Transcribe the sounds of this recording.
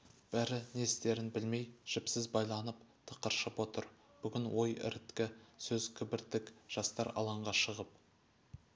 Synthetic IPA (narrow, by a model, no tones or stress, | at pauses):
b̥æɾɪnest̪e̞ɾɪnbɪlme̞jʒ̥ɪpsɪzbɑjlˠɑnəp̚t̪ʰə̥qəɾʃəpwo̞t̪əɾ | b̥ʏɡʲɪnwʔo̞jɪ̰ɾɪt̪kʲɪsɵz̥kʲʰɪbɪɾt̪ːɪkʒ̥ɑst̪ɑɾɑ̰lˠɑɴʁɑʃəʁəp̚